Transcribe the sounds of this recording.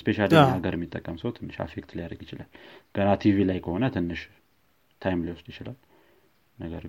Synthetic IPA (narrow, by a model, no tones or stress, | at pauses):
speʃalaɡəɾɛmːit̪ʼːəkʼːəmsəwt̪ʰɨnːɨʃa̰fekt̪lijad̪əɡjɪt͡ʃɪlalɡ̥ənat̪ʰivilajkʰəho̞nət̪ʰɨnːɨʃ | t̪ʰajmliwɔsd̪jɪt͡ʃɪlal | nəɡəɾ